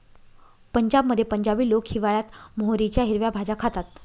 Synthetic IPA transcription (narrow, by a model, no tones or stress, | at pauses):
pəɲd͡ʑab̚məd̪ʱjepəɲd͡ʑabiːlokɕiʋaɭjat̪moɦɾit͡ɕjaɦiɾʋjabʱad͡ʑakʰat̪at̪̚